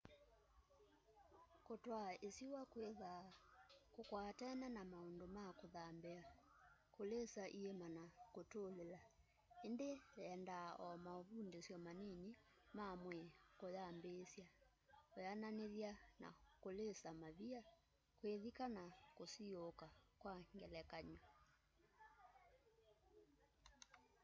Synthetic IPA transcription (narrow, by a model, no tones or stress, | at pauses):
kotwaesiwakeða | kokwatɛnanamaondomakoðambɛa | kolesaʔiemanakotolela | endeɛndaɔmaoβundesjɔmaneɲi | mamwɛkojambesja | ojananeðjana̰kolesamaβia | kweðikanakosiokakwaŋɡɛlɛkaɲɔ